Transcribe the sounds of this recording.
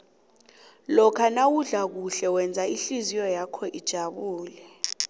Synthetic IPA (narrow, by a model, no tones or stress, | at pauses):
lɔkʰanawuɮak̬uɬɛwɛnd͡zʱaiɬizijɔjakʰɔʔid̥ʒ̥ʱaɓuːlɛ